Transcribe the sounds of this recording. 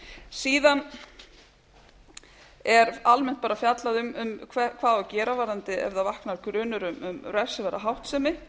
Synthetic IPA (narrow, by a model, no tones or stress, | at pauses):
siːðan | ɛɾalmɛn̥t̪paːɾafjat̪laðʏmʏmkʰvɛkʰv̥aːðɔcɛːɾavaːɾant̪ɪɛ̰vðavahknaɾkɾʏːnʏɾʏmʏmɾœ̥sɪvɛɾa̰ɦawht̪sɛmɪ